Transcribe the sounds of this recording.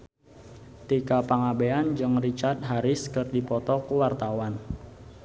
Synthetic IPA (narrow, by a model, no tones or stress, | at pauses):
t̪ikapaŋabeand͡ʒɨŋrit͡ʃart̪̚ɦaɾɪskɨrdipɔt̪ɔkuwart̪awan